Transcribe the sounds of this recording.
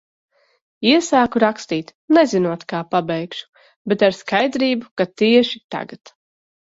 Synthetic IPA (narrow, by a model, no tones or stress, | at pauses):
iɛsaːkuɾakst̪iːt̪nɛzinuɔt̪kaːpabɛjkʃu̥ | bet̪aɾskajd̪ɾiːbukat̪iɛʃit̪a̰ɡat̪